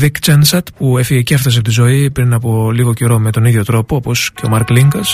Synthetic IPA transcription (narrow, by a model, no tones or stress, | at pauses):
vikt͡ʃensɐt̪puefiɣecieft̪ɐs̬pot̪izo̞ipɾinɐpo̞liɣo̞ceɾo̞me̞t̪o̞niðʝo̞t̪ɾo̞poopo̞sce̞o̞mɐɾkliŋɡɐs